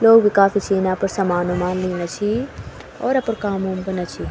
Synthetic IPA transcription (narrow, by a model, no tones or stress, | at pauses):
loːɡbʱikaːfit͡ʃʰeːnaːpɐɾsɐmaːnomaːnliːnat͡ʃʰi | ɔːɾɐpəɾkaːmuːmbɐnat͡ʃʰiː